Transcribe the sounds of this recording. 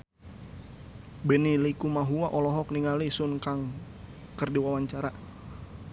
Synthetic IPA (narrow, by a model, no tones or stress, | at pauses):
bɛnilikumaɦuaʔɔlɔɦɔk̚niŋalisunkaŋ | kərdiwawaɲt͡ʃaɾa